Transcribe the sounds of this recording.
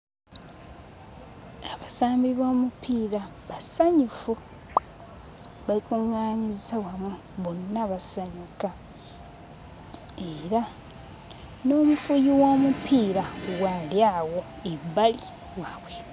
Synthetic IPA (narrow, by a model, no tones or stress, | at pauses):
aβasaːmbiβo̞ːmupʰiːɾa | βasaɲufu | βalikuŋaːɲizisawamwe | βonːaβasaɲuka | eɾa | no̞ːmufujiwo̞ːmupʰiːɾawaljawo̞ | ebali | waːwe